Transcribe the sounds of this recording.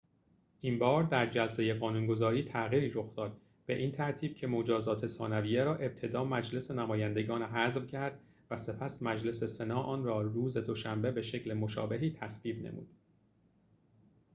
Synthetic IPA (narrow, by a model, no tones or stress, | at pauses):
ʔimbɒːɾd̪æɾd͡ʒælse̞je̞ɣɒːnuːnɡo̞zɒːɾiːt̪ʰæɣiːɾiːɾo̞xd̪ɒːd̪̥̚ | b̥e̞ʔiːnt̪ʰæɾt̪ʰiːb̥cʰe̞mo̞d͡ʒɒːzɒːt̪ʰe̞sɒːnævijeɾɒːʔe̞b̚t̪ʰe̞d̪ɒːmæd͡ʒle̞senæmɒːjænd̪e̞ɡɒːnɦæzvcʰæɾd̪̥ | væse̞pʰæsmæd͡ʒle̞se̞se̞nɒːʔɒːnrɒːruːze̞d̪o̞ʃæmbe̞be̞ʃe̞cʰlemo̞ʃɒ̰ːbe̞ɦiːt̪ʰæsviːbnḛmṵːd̪̥